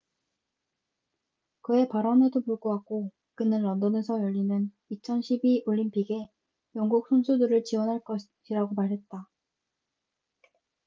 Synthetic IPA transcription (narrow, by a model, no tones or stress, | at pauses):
kɯe̞paɾʌnedopuɭɡoɦak͈o | kɯnɯnːʌndʌne̞sʰʌjʌʎːinɯn | it͡ɕʰʌnɕʰibiʔoʎːimpʰiɡe̞ | jʌŋɡuk̚sʰonsʰudɯɾɯɭt͡ɕiwʌnɦaɭk͈ʌ | ɕʰiɾaɡomaɾɦe̞t̚t͈a